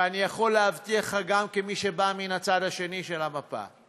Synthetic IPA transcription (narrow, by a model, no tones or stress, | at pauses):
anijaχo̞lːeavt̪iaχaɡamkemiʃebaminat͡sad̪haʃe̞niʃe̞lamapa̰